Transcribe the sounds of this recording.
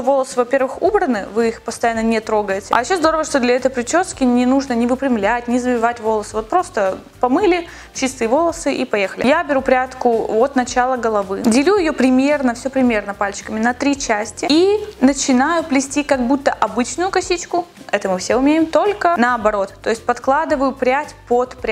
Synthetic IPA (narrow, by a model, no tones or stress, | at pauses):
ovo̞lˠəsɨvɐpʲe̞rvɨxubɾənːɨvɨixpəst̪ɐjanːənʲɪt̪ɾo̞ɡəjɪtʲɪʔɐ̰jɪɕːozd̪o̞ɾəvəʂt̪o̞d̪lʲɐɛt̪əjpɾʲɪt͡ɕo̞skʲɪnʲɪnuʐnənʲɪvɨpɾʲɪmlʲætʲnʲɪzəbʲɪvatʲvo̞lˠəsɨvo̞t̪̚pɾo̞st̪ə | pɐmɨlʲɪ | t͡ɕɪst̪ɨjvo̞lˠəsɨʔipɐje̞xəlʲɪjabʲɪɾupɾʲat̪kʊvot̪nɐt͡ɕalˠəɡəlˠɐvɨdʲɪlʲuɪjo̞pɾʲɪmʲe̞rnəfsʲopɾʲɪmʲe̞rnəpalʲt͡ɕɪ̥kəmʲɪnət̪ɾʲit͡ɕæsʲtʲɪinət͡ɕɪnajʊplʲɪsʲtʲikɐɡ̚but̪ːəʔɐbɨt͡ɕnʊjʊkɐsʲit͡ɕkʊ | ɛt̪əmɨfsʲeʊmʲejɪmt̪o̞lʲkənəɐbɐɾo̞t̪ːo̞ɪsʲt̚ʲpɐt̪klˠad̪ɨvəjʊpɾʲatʲpot̪pɾʲ